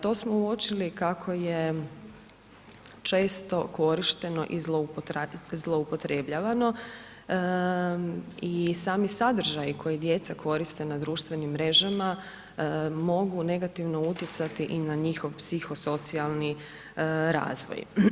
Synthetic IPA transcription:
t̪o̞ːsmouot͡ʃilikakʰo̞je | t͡ʃe̞ːst̪oko̞ɾiʃt̪e̞no̞̰ʔizlˠoupt̪zlˠo̞upo̞t̪ɾebʎaːʋano̞ | isaːmisad̪ɾ̩ʒajikʰo̞jid̪je̞t̪sakʰo̞ɾist̪e̞nad̪ɾuːʃt̪ʋe̞nimːɾe̞ʒama | mo̞ɡune̞ɡat̪iʋno̞ut̪jet̪sat̪iʔinaɲixo̞ʋpsixo̞so̞t̪sialˠni | ɾa̰ːzʋo̰j

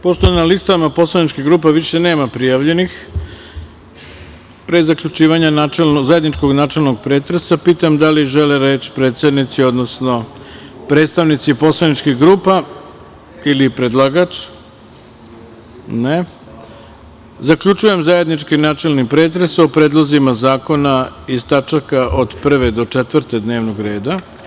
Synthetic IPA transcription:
poʃt̪oenalist̪amapo̞slˠanit͡ʃkiɣɡɾuːp̬aʋiʃe̞ne̞ːmapɾijaʋʎe̞nix | pɾezakʎut͡ʃiːʋaɲanat͡ʃelnzaje̞d̪nit͡ʃko̞ɡnaːt͡ʃe̞lˠnoɡ̚pɾe̞ːt̪ɾesapiːt̪amd̪aliʒeleɾe̞ːt͡ɕpɾe̞ːt̪sed̪nit̪sio̞d̪nosno̞ | pɾe̞t̪st̪aʋnit̪sipo̞slanit͡ʃkiɣɡɾuːpa | ilipɾed̪lˠaːɡat͡ʃ | ne | zakʎut͡ʃuje̞mzaje̞d̪nit͡ʃkinaːt͡ʃe̞lnipɾe̞ːt̪̬ɾesopɾeːd̪lˠozimazaːko̞naist̪at͡ʃakaʔod̪pr̩ʋe̞d̪o̞t͡ʂet̪ʋrɾt̪e̞d̪ne̞ːʋnoɡɾe̞ːd̪a

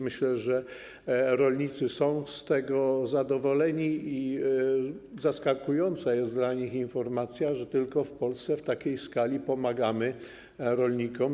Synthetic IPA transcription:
mɘɕlɛʐɛ | ɾɔlɲit̪sɘsɔ̃w̃st̪ɛɡɔzad̪ɔvɔlɛɲii | zaskakujɔnt̪sajɛst̪d̪laɲixinfɔɾmat̪sʲjaʐɛt̪ɘlkɔfpɔlst̪sɛft̪akʲejskalʲipɔmaɡamɘ | ɾɔlɲikɔm

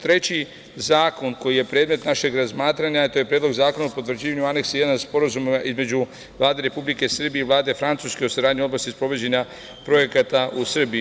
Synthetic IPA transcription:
t̪ɾe̞t͡ɕi | zaːko̞nko̞jije̞pɾeːd̪me̞t̪naʃe̞ɡɾazmaːt̪ɾaɲat̪ojepɾed̪loɡzaːko̞naupot̪vr̩d͡ʑiːʋaɲuane̞ksejed̪anspo̞ɾazumizme̞d͡ʑu | ʋlˠaːd̪e̞ɾe̞publike̞sr̩bijeiʋlˠaːd̪e̞fɾant̪suske̞o̞saɾaːd̪ɲio̞d̪last̪ispɾo̞ʋe̞d͡ʑeɲa | pɾo̞je̞kat̪ausr̩bii

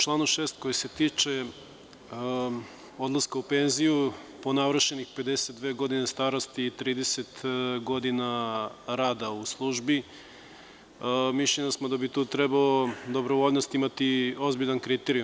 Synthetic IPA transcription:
ut͡ʃlˠaːnuʃeːst̪ko̞jese̞t̪iːt͡ʂe̞ | o̞d̪lˠaskaupe̞nzijuponaʋɾʃenixpe̞d̪e̞set̪̚d̪ʋe̞ːɡo̞d̪inest̪aːɾost̪iːt̪ɾiːd̪eset̪ɡo̞d̪inaɾaːd̪auslˠuʒbi | miʃlʲenasmod̪abit̪uːt̪ɾebaod̪o̞bɾo̞ʋo̞ʎnost̪imat̪io̞zbiʎʲankɾit̪eɾiju

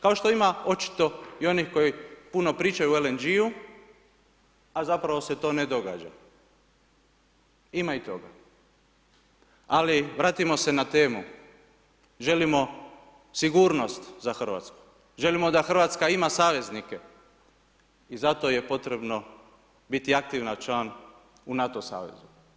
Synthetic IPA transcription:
kao̞ʃt̪o̞imao̞t͡ʃi̥t̪o̞io̞nixko̞jipuno̞pɾiːt͡ʃajuelend͡ʒiu | azapɾaʋo̞se̞t̪o̞ːne̞d̪o̞ɡa̰d͡ʒa̰ | imait̪o̞ɡa̰ | aliʋɾaːt̪imo̞se̞nat̪e̞ːmu | ʒe̞limo̞ | siɡuːɾno̞st̪zaxr̩ʋa̰t̪sku̥ | ʒe̞limo̞d̪axr̩ʋat̪skaimasaːʋe̞znike | izat̪o̞je̞po̞t̪ɾe̞bno̞ | bit̪iak̚t̪iʋnat͡ʃlan | unat̪o̞sa̰ːʋḛzu

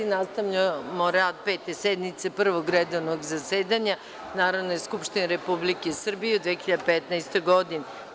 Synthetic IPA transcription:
inast̪aʋʎamoɾad̪̚peːt̪esɛd̪mit̪sepr̩ʋoɡɾɛd̪oʋnoɡzaseːd̪aɲa | naːɾaʋnojeskupʃt̪ineɾepublikesr̩bijed̪ʋexiʎad̪epɛt̪naest̪ojɡod̪ine

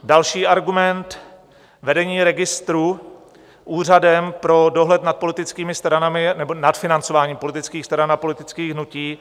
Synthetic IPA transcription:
dalʃiːʔaɾɡumɛnt̪ | vɛdɛɲiːɾɛɡɪst̪ɾu | ʔuːr̝adɛmpɾo̞do̞ɦlɛt̪nat̪̚po̞lɪt̪ɪt͡skiːmɪst̪ɾanamɪnɛbonat̪fɪnant͡so̞vaːɲiːmpo̞lɪt̪ɪt͡skiːxst̪ɾanapo̞lɪt̪ɪt͡skiːɣɦnuciː

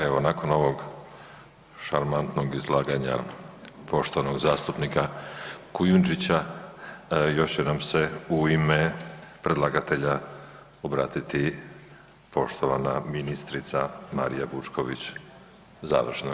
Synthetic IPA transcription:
eʋo̞nako̞no̞ʋo̞ɡ | ʃaɾmant̪noɡizlˠaːɡaɲa̰po̞ʃt̪o̞ʋanoɡzaːst̪upnikakujund͡ʒit͡ɕa | jo̞ʃenamse̞uimepɾe̞d̪laːɡat̪e̞ʎa | obɾaːt̪it̪i | po̞ʃt̪o̞ʋana̰minist̪ɾit̪sama̰ɾijaʋut͡ʃko̞ʋḭt͡ɕ | za̰ːʋr̩ʃna

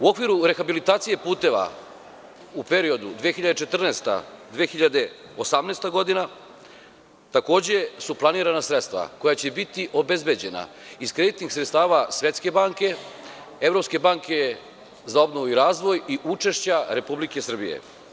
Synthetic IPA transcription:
uo̞kʋiɾuɾe̞xabilit̪aːt̪sije̞puːt̪e̞ʋa̰ | upe̞ɾio̞d̪ud̪ʋeexiʎad̪et͡ʃe̞t̪r̩neːst̪a̰d̪ʋeexiʎad̪e̞ | osamnest̪aɡo̞d̪ina | t̪ako̞ːd͡ʑe̞suplˠaniːɾanasɾet̪st̪ʋa̰ko̞jat͡ɕebit̪iʔo̞be̞zbe̞d͡ʑe̞na̰ | iskɾe̞d̪it̪nixsɾet̪st̪aːʋasʋje̞t̪ske̞baːŋke̞ | e̞vɾo̞pske̞baːŋke̞ | zao̞bno̞ʋuiɾaːzʋo̞jiʔut͡ʃe̞ʃt͡ɕaɾe̞publike̞sr̩bijḛ

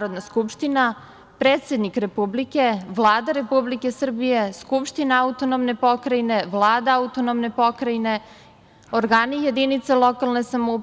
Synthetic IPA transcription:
ɾod̪naskupʃt̪ina | pɾeːt̪sʲjed̪nikɾe̞publike̞ʋlˠaːd̪aɾe̞publike̞sr̩bije̞skupʃt̪inaaut̪o̞nomne̞po̞kɾaine̞ʋlˠaːd̪aaut̪o̞nomne̞po̞kɾaine̞ | oɾɡaːnijed̪init̪selˠo̞kalˠne̞samoup

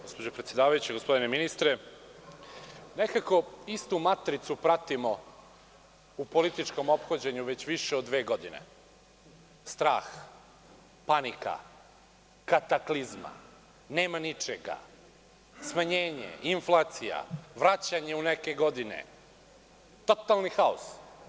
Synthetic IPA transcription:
ɡospo̞d͡ʑopɾet̪sje̞d̪aːʋajut͡ɕeɡo̞spo̞d̪ineminist̪ɾe | nekako̞ist̪umat̪ɾit̪supɾat̪imo | upo̞lit̪it͡ʃko̞mo̞pxod͡ʑeɲuʋe̞t͡ɕʋiʃeod̪ːʋe̞ːɡo̞d̪inḛ | st̪ɾaːx | panika̰ | kat̪aklizma̰ | neːmanit͡ʃeɡa̰ | smaɲe̞ːɲḛiɱflˠaːt̪sija̰ʋɾat͡ɕaɲe̞uneke̞ɡo̞d̪inḛ | t̪o̞t̪alˠnixaos

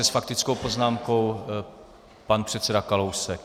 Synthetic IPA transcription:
ɛsfakt̪ɪt͡sko̞wpo̞znaːmkow | panpr̥ɛt̪t͡sɛdakalowsɛk

